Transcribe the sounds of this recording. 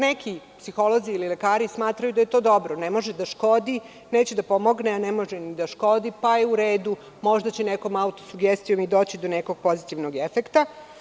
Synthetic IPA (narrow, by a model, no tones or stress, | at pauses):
nekipsixo̞lˠo̞ziːlilekaːɾismaːt̪ɾajud̪aje̞t̪oːd̪o̞bɾonemo̞ʒed̪aʃko̞d̪i | neːt͡ɕed̪apo̞mo̞ɡneanemo̞ʒenid̪aʃko̞d̪ipajeuɾeːd̪u | mo̞ʒd̪at͡ɕeneko̞maut̪osuɡest̪ijo̞mid̪o̞ːt͡ɕid̪o̞neko̞ɡ̥̚po̞zit̪iʋnoɡefekt̪a